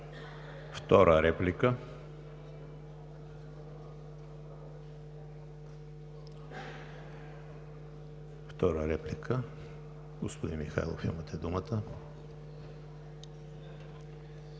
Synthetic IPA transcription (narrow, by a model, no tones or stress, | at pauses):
ft̪ɔɾʔəɾɛplikə | ft̪ɔɾəɾɛplikʰə | ɡospʊd̪inmixa̰jlˠo̰fḭmət̪ɛd̪umət̪ə